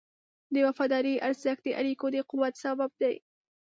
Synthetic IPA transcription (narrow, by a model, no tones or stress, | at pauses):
d̪əwafɑd̪ɑɾiʔaɾzəxd̪əʔa̰ɾikod̪əquwat̪sabab̚d̪aj